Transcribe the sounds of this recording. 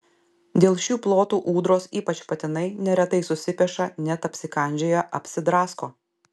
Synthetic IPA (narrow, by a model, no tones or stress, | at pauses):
d̪ʲeːlˠʃʲuːplˠoːt̪uːʔuːd̪ɾoːsiːpɐt͡ʃpɐt̪ʲɪnɐɪnʲɛɾʲɛt̪ɐɪsʊsʲɪpʲɛʃɐnʲɛt̪ɐpʲsʲɪkɐˑnʲd͡ʒʲoːjɛʔɐpʲsʲɪd̪ɾɑːskoː